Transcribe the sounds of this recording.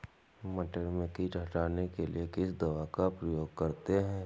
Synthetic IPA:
mɐʈəɾmẽkiɖʱɐʈaːnekelḭekɪsd̪ɐʋakapɾəjoːɡ̚kɐɾt̪eɦɛ̃ː

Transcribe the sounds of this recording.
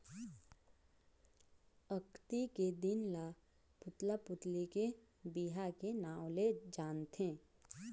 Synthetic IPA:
əkt̪iked̪ɪnla | pʊt̪lapʊt̪like | biɦakenaːwled͡ʒaːnt̪ʰẽː

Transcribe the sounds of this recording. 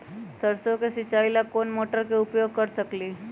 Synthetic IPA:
səɾsokesit͡ɕailakonmoʈəɾkeupjoɡ̚kəɾsəkliː

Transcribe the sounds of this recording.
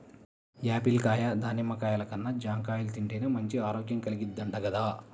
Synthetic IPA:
jaːpilkaːjad̪ʱaːnimːɐkaːjɐlɐkɐnːɐd͡ʒaːŋkaːjult̪iɳʈeːneːmɐɲt͡ʃiaːɾoːkjɐmkɐliɡid̪ːɐɳɖɐɡɐd̪aː

